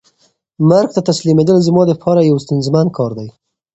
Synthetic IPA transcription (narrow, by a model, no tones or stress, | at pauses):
maɾɡ̚t̪at̪aslimed̪əlzmɑd̪əpʰɑɾajawst̪ʊnzmankʰɑɾd̪aj